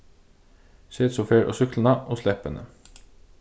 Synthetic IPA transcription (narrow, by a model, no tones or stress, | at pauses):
seːt̪sʊfeːɹʔo̰ːsʏklənɑʔoːslɛpənʔə̰